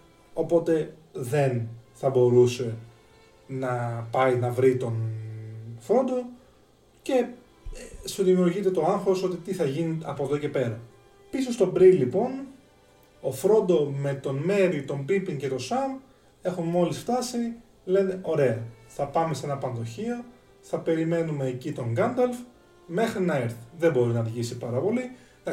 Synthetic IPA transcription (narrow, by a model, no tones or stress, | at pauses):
o̞po̞t̪e̞ | ðe̞nθɐbo̞ɾuse̞ | nɐpɐinɐvɾit̪o̞n | fɾo̞nd̪o̞ | ce̞ | suðimiuɾʝit̪e̞t̪o̞ɐŋxoso̞t̪it̪iθɐʝiniɐpo̞ðo̞ce̞pe̞ɾɐ | pisost̪obɾilipo̞n | ofɾo̞nd̪o̞me̞t̪o̞nme̞ɾit̪o̞mbipiŋce̞t̪o̞sɐm | e̞xunmo̞lisft̪ɐsi | le̞neʔo̞ɾe̞ɐθɐpɐme̞se̞nɐpɐnðo̞çio̞ | θɐpe̞ɾime̞nume̞ːcit̪o̞ŋɡɐnd̪elf | me̞xɾinɐeɾθi̥ðebo̞ɾinɐðʝisipɐɾɐpo̞li